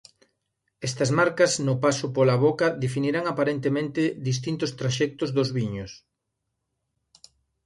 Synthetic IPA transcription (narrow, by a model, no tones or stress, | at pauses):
ɛst̪ɐzmaɾkɐznʊpasʊpolaβokɐðefiniɾaŋapaɾent̪emẽnt̪ɪðis̬t̪int̪ʊst̪ɾaʃɛk̚t̪ʊzðʊzβiɲʊs